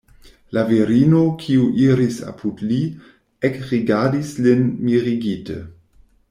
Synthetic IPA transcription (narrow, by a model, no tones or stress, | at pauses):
laviɾinokʰiuʔiɾisa̰pʰutli | ekʁiɡaʁdislinmiʁiɡitə̰